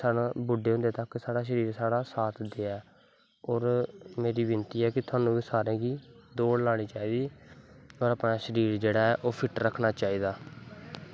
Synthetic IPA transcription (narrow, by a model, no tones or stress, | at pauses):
saːnːbʊɖːeːɦʊ̃nd̪eːt̪əksaːɽaːʃəɾiːɾsaːɽaːsaːt̪ʰd̪eːɛː | ɔːɾmeːɾiːʋɪnt̪iːɛːkɪt̪ʰʊaːnũːʋiːsaːɾẽːɡiːd̪oːɽlaːɽ̃iːt͡ʃaːiːd̪iː | ɔːɾapɽaːʃəɾiːɾd͡ʒeːɽaːɛːʔoːpʰɪʈɾəkʰːnaːt͡ʃaːiːd̪aː